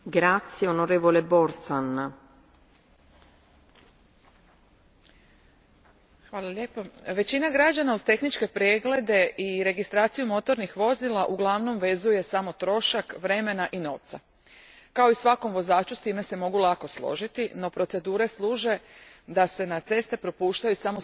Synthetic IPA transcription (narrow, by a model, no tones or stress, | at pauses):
ɡɾat̪sːjeonoɾeːvoleboɾt̪san | xʋaːlˠalʲjeːpoʋe̞t͡ɕinaɡɾad͡ʑanauz̥t̪e̞xnit͡ʃke̞pɾjeɡle̞d̪e̞ʔiɾe̞ɡist̪ɾaːt̪sijumo̞t̪o̞ɾnixʋo̞zilˠaʔuɡlˠaʋno̞mʋe̞zuje̞samo̞t̪ɾo̞ʃakʋɾe̞me̞naʔino̞ːʋt̪sa̰ | kao̞isʋako̞mʋo̞zaːt͡ʃust̪iːme̞se̞mo̞ɡulˠako̞slˠo̞̰ʒit̪ino̞pɾo̞t̪se̞d̪uːɾe̞slˠuːʒe̞d̪ase̞nat̪se̞st̪e̞pɾo̞puːʃt̪ajusamo̞